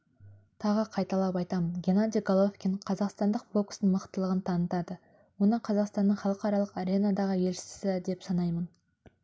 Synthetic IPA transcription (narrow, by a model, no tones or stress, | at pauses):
t̪ʰɑʁəqʰɑjt̪ɑlˠɑpɑjt̪ɑmənɡʲe̞nad̪ijɡolˠofkʲinqʰɑzɑqst̪ɑnd̪əq̚bo̞ksənməqt̪əlˠəʁənt̪ʰɑnət̪ɑd̪ə | wo̞nəɴqʰɑzɑqst̪ɑnːəɴχɑlˠəqɑɾɑlˠəqaɾʲe̞nad̪ɑʁəje̞lʃɪ̥ɪ̥sɪd̪e̞psɑnɑjmən